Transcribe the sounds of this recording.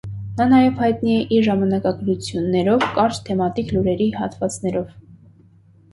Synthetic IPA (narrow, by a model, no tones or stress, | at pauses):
nɑnɑjɛvhɑjt̪niɛʔiɾʒɑmɑnɑkɑɡɾut͡sʰjunːɛɾɔvkɑɾt͡ʃt̪ʰɛmɑt̪ikluɾɛɾihɑ̰t̪vɑt͡snɛɾɔv